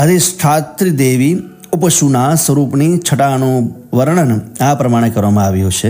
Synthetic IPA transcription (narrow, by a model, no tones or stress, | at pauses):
ɦəd̪isʈʰaːt̪ɾid̪eːʋi | upəʃunasəɾuːpnit͡ʃʰəʈanoʋəɾɳənapɾɐmaːɽ̃ekəɾʋamãaʋiɦot͡ʃʰe